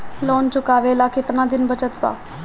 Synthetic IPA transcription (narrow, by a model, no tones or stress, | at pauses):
lɔːnt͡ʃʊkaːʋeːlaːkɪt̪nãːd̪ɪnbət͡ʃət̪pa̰ː